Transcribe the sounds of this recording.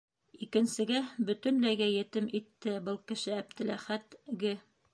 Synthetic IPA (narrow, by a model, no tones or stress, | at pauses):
ikɘ̆nsɘ̆ɡæbɵ̆t̪ɵ̆nlæjɡæjɘ̆t̪ɘmit̪ːɘbɤlˠkɘ̆ʃɘæb̚t̪ɘ̆læχæt̪ɡɘ